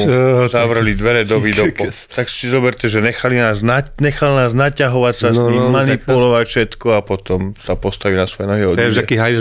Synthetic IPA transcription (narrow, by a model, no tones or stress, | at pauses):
zaʋr̩lid̪ʋɛɾɛd̪ɔʋiːd̪ɔpɔt̪akssizɔbɛɾt̪ʲɛʒɛɲɛxalinaːznaɲɛxalnaːznacaɦɔʋacsasniːmmanipulɔʋacfʃɛt̪kɔapɔt̪ɔmsapɔst̪aʋiːnasʋɔjɛnɔɦiɔd̪ɛʃt̪aɛkiːɦaj